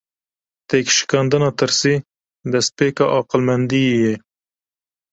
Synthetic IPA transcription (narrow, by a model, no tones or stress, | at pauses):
t̪ekʃɪ̥kɑnd̪ənat̪əɾsi | d̪ɐs̚peːkaʔɑqɪlmɐnd̪ije